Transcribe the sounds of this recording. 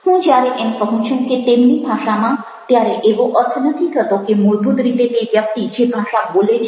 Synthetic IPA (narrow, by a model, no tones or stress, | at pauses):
hũd͡ʑaɾeʔenpɔɦũt͡ʃʰɔnket̪emnibʱaʃamã | t̪eaɾeʔeboʔɔɾt̪ʰonət̪ʰikət̪okemuɾbʱud̪ɾit̪ebebjap̚t̪id͡ʑebʱaʃabolet͡ʃʰ